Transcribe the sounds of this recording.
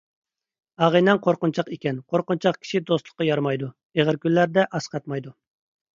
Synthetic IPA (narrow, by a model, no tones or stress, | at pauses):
ɑʁənɛŋqʰoɾqʊnt͡ʃʰɑqekʲɛnqʰoɾqʊnt͡ʃʰɑqkʲʰi̥ʃid̪ost̪lˠə̥qːɑjɑɾmɑjd̪u | eʁəɾkʲynlːæɾd̪ɛʔɑsqɑt̪̚mɑjd̪u